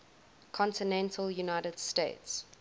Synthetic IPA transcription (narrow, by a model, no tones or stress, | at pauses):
kʰɔ̃ntɪnɛ̃ntʰəljunaɪɾəd̥stḛɪts